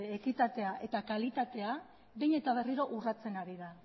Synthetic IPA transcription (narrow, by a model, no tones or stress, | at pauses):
ekit̪at̪e̞aʔe̞t̪akalit̪at̪e̞a | βejɲe̞t̪aβ̞e̞riɾo̞ʔurat͡se̞naɾiða